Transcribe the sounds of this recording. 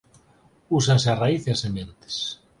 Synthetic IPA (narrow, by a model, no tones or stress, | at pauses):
usansearaiθeasemẽnt̪e̥s